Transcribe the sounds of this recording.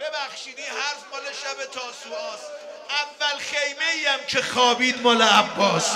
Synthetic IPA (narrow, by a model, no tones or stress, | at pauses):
b̥ebæxʃiːd̪iːhæɾzmɒːleʃæbet̪ʰɒːsuɒːs | ʔævːælxejme̞iːæmcʰexɒːbiːd̪mɒːleæbːɒːs